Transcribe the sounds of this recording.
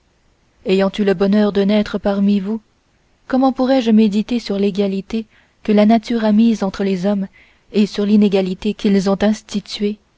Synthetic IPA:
ejɑ̃t̪yləbɔnœʁd̪ənɛt̪χəpaʁmivu | kɔmɑ̃puʁɛʒmed̪it̪esyʁleɡalit̪e | kəlanat̪yʁamizɑ̃t̪χəlezɔm | esyʁlineɡalit̪ekʲilzɔ̃t̪ɛ̃st̪it̪ɥe

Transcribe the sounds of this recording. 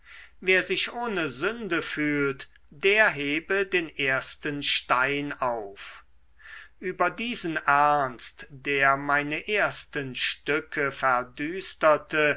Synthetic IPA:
veːɐzɪʃʔoːnəzʏndəfyːlt | d̥eːɐɦeːbədeːnʔeːɐstənʃtaɪnaʊf | ʔyːbɐdiːzənʔæɐnstd̥eːɐmaɪnəʔeːɐstənʃtʏkʰəfɛɐdyːstɐtʰə

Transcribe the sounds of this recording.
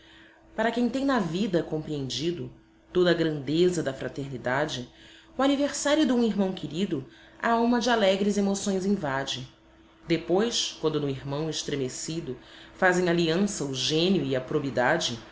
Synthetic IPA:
paɾɐkẽj̃t̪ẽj̃nɐvid̪ɐkõmpɾiẽnd͡ʒid̪ʊ | t̪od̪ɐːɡɾɐ̃nd̪ezɐd̪ɐfɾat̪eɾnid̪ad͡ʒɪ | ʊaniveɾsaɾjʊd̪ɪũiɦmɐ̃w̃kɪɾid̪ʊ | a̰awmɐd͡ʒɪalɛɡɾɪzemosõj̃zĩvad͡ʒɪ | d̪epojskwɐ̃nd̪ʊnʊiɾmɐ̃w̃ɪʃt̪ɾemesid̪ʊfazẽj̃aliɐ̃sɐʊʒẽnjʊiɐpɾobid̪ad͡ʒɪ

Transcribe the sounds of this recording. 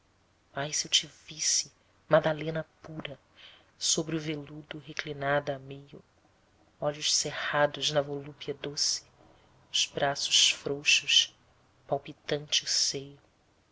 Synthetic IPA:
ajsewt͡ʃivisɪ | mad̪alẽnɐpuɾɐ | sobɾɪʊvelud̪ʊɦeklinad̪amejʊ | ɔʎʊʃsehad̪ʊznɐvolupiɐd̪osɪ̥ | ʊz̥bɾasʊʃfɾoʃʊʃ | pawpit̪ɐ̃nt͡ʃɪʊsejʊ

